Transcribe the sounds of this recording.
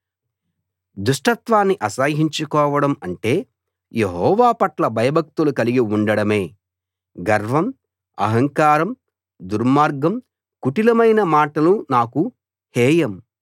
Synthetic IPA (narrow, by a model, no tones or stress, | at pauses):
d̪uʂʈɐt̪ʋaːnːiʔɐsaːɦiɲt͡ʃukɔːʋɐɽɐmɐɳʈe̞ː | jeɦɔːʋaːpɐʈlɐbʱɐjɐbʱɐk̚t̪ulukɐliɡiuɳɖɐɽɐme̞ː | ɡɐɾʋɐm | ɐ̰ɦɐŋkaːɾɐm | d̪uɾmaːɾɡɐm | kuʈilɐmɐjnɐmaːʈɐlunaːku | hɛːjɐm